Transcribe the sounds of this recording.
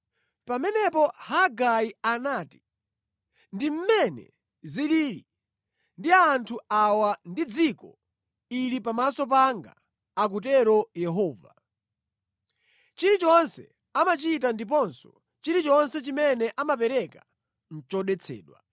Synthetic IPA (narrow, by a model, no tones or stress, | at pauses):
pamɛnɛpɔhaɡaianaːti̥ | ndim̩mɛnɛ̰ | ziliːɾḭ | ndiaːntʰuawandid͡zikɔ | ilipamasɔp̬aŋɡa̰ | ak̬utɛɾɔjɛɦɔːva̰ | t͡ʃiɾit͡ʃɔnsɛ̰ | amat͡ʃit̬andip̬ɔnsɔ̰ | t͡ʃiɾit͡ʃɔnsɛt͡ʃimɛnɛʔamapɛɾɛka | n̩t͡ʃɔɗɛt͡sʰɛ̰ːɗwa̰